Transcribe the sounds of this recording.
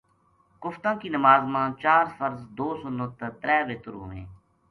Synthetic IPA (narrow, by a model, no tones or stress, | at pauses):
kʊft̪ãːkiːnəmaːzmãːt͡ʃaːɾfəɾzd̪oːsonot̪ːət̪ɾɛːʋeːt̪ʊɾɦʊ̰ʋḛ̃ː